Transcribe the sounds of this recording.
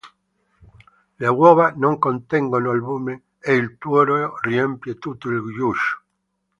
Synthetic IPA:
lawoβanõŋkont̪eŋɡonoalβume | eilt̪woɾoriempjet̪ut̪oilɡjuʃo̥

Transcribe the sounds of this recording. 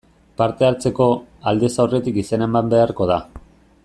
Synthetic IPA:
paɾt̪e̞aɾt͡se̞ko̞ald̪e̞sawre̞t̪ikisene̞mbambe̞aɾko̞ð̞a

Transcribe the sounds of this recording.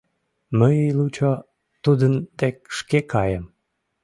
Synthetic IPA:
məijlut͡ɕo | t̪ud̪ənd̪ek̚ʃkekɑjəm

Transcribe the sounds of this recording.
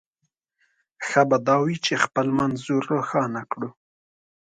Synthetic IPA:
xabad̪ɑwit͡ʃexpəlmanzuɾoxɑnakɽu

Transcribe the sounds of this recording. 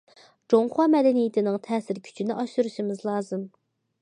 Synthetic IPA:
d͡ʒoŋχwɑmɛd̪ɛnijɪt̪ʰɪnɪŋt̪ʰɛːsɪɾkʲʰy̥t͡ʃʰinɪʔɑʃuɾuʃimɪzlˠɑːzɨm

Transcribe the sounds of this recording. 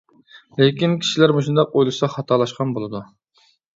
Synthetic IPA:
lekʲinkʲʰi̥ʃilæɾmoʃ̬und̪ɑq̚ojlˠɨʃsɑχɑt̪ʰɑlˠɑʃqʰɑnbolˠɨd̪u

